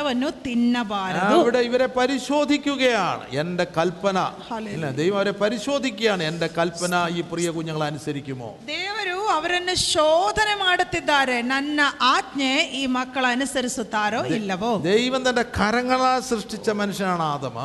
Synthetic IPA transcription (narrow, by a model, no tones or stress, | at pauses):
ɐʋɐnːut̪inːɐbaːɾɐɐʋiɽe̞iʋɐɾe̞pɐɾiɕo̞ːd̪ʱikʲːuɣɐja̰ːɳɨ̰ende̞kɐlpɐnɐ̰hɐeilːɐd̪ejʋɐmɐʋɐɾe̞pɐɾiɕo̞ːd̪ʱikʲːujaːɳɨende̞kɐlpːɐnɐiːprijɐkuɲːɐŋːɐɭɐnusɐɾikʲːumːo̰ːd̪eːʋɐɾuɐʋɐɾɐnːuɕoːd̪ʱɐnemaːɽut̪ːid̪ːaːɾenɐnːɐʔaːd̪ɲeʔiːmɐkːɐɭɐnusɐɾisut̪ːaːɾoːilːɐʋoːd̪ejʋɐnt̪ɐnde̞kʰɐɾɐŋːɐɭaːsrɨʂʈit͡ɕːɐmɐnuʂɐnaːɳaːd̪ɐmɨ̰